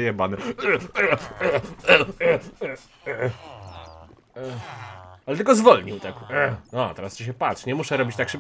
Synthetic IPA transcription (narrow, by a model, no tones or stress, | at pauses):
jɛbanɛ | alɛt̪ɘlkɔzvɔlɲiwt̪aknɔt̪ɛɾast͡ɕiɕ̬ɛpatʂɲɛmuʂɛɾɔbʲit͡ɕt̪akʂɛb